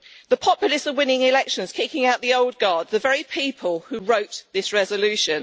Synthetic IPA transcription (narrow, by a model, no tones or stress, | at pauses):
ðəpʰɒpjləsəvwɪ̃nɪ̃ŋɪlɛkʃə̃nz̥kʰɪkɪ̃ŋaʊʔðiəʊlˠd̚ɡɑːd̪̚ðəvɛɹipʰiˑpʰəlˠhʉɹəʊʔðɪsɹɛzəlʉˑʃə̃n